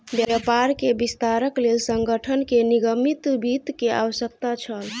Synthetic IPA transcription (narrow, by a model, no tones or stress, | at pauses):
bjajapaɾkebist̪aɾəklelsəŋɡəʈʰənkeniɡəmit̪bit̪kea̰wəsək̚t̪at͡ʃʰəl